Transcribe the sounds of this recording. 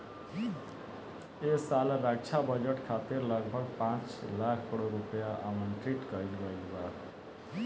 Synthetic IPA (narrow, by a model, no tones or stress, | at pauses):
esalɾaɡt͡ʃʰabʌd͡ʒeʈkʰat̪iɾlʌɡbʱʌɡpãt͡ʃlakʰkəɽoɾupjaʔamənʈɾiʈkʌɾinbʌilba